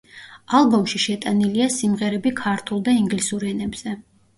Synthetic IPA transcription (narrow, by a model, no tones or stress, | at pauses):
alˠbɔmʃiʃɛt̪ʼaniliasimʁɛɾɛbikʰaɾt̪ʰulˠd̪aiŋɡlisuɾɛnɛbz̥ɛ